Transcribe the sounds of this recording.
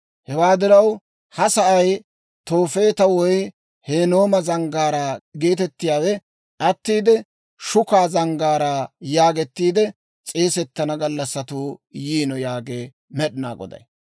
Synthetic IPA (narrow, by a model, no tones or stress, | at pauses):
hɛwaːd̪ɪɾɐw | hɐsɐʔɐj | t̪o̞ːfe̞ːt̪ɐwɔj | heːno̞ːmɐzɐŋɡaːɾaːɡe̞ːt̪ɛt̪ːɪjaːwɛ | ʔɐt̪ːiːd̪ɛ | ʃʊkaːzɐŋɡaːɾaːjaːɡɛt̪ːiːd̪ɛ | t͡sʼeːsɛt̪ːɐnɐɡɐlːɐsːɐt̪uːjiːnɔjaːɡeː | mɛɗɪna̰ːɡɔ̰d̪ɐ̰j